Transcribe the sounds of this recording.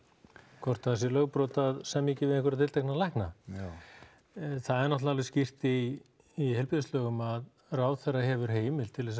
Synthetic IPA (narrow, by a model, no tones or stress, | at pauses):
kʰɔr̥t̪aðasɛlœɣpɾɔːt̪aðsɛmːiːcɪvɪðɪ̃ŋkʏɾat̪ʰɪlt̪ʰɛknalajhkna | θaðɛɾnɔht̪laalvɪscir̥t̪ɪː | hɛjlpiðɪslœːɣʏmað | raːwθerːahɛvʏɾ̥ɦeːjmɪlt̪ʰɪlɛs